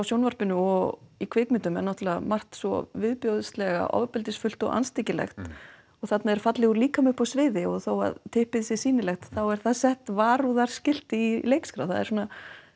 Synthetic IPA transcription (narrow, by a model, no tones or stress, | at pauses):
awsjownvaɾ̥pɪnːʏɔɣikʰvɪːkmɪnt̪ʏmɛɾnɔht̪ʏlvamar̥t̪svɔ̰vɪðpjowðʏst̪lɛɣa̰ʔɔ̰vpɪlt̪ɪsfʏlt̪ɔ̰ɣʔa̰nst̪ɪcɪlɛ̰xt̪ | ɔɣθat̪naðɛɾ̥fat̪lɪɣuɾliːkamʏhpːɔsvɪːðɪɔɣθowa̰ðt̪ʰɪhpɪðsɪsiːnɪlɛxt̪θawɛɾ̥θaðsɛht̪vaːɾuðaɾ̥scɪl̥t̪ɪilejkskɾa̰wθa̰ðɛ̰ɾsɔːna